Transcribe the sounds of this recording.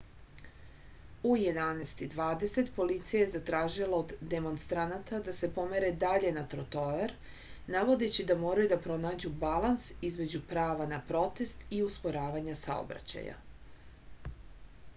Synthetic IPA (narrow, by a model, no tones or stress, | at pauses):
uje̞d̪anest̪id̪ʋaːd̪e̞se̞t̪po̞lit̪sijajezat̪ɾaːʒilˠaod̪ːe̞mo̞nst̪ɾanat̪ad̪ase̞po̞me̞ɾe̞d̪aʎe̞nat̪ɾo̞t̪o̞eɾ | naʋo̞d̪e̞t͡ɕid̪amo̞ːɾajud̪apɾo̞naːd͡ʑubalˠansizme̞d͡ʑupɾaːʋanapɾo̞t̪e̞st̪iuspo̞ɾaːʋaɲasa̰o̰bɾa̰t͡ɕa̰ja̰